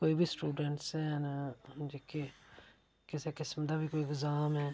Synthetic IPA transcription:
koːibʱisʈuːɖə̃ɳʈsɦɛːnd͡ʒeke | kɪsekɪsmd̪abʱikoːiɡzaːmɦɛː

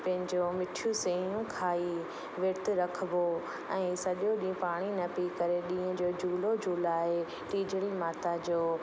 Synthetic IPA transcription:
pɐ̃ɦɪ̃ɲd͡ʑomɪʈʰijũseːjũkʰaːi | ʋeːt̪ɾɐkʰbo | ɛ̃ːsɐɗjoɗĩːʊ̃paːɽ̃inɐpikɐɾeɗĩːə̃d͡ʑoːd͡ʑʱuːlod͡ʑʱuːlaːɦe | ʈiːd͡ʑəɽimaːt̪ad͡ʑoː

